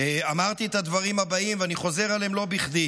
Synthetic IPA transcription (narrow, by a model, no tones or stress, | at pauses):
eamaʁt̪iet̪ad̪vaʁimhabaimveaniχo̞ze̞ʁale̞mlo̞biχd̪i